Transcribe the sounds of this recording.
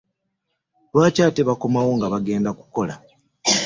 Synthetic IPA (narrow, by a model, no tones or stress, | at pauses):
lwaːcaːteβako̞mawo̞ŋɡaβaɡe̞ːndaku̥ko̞la̰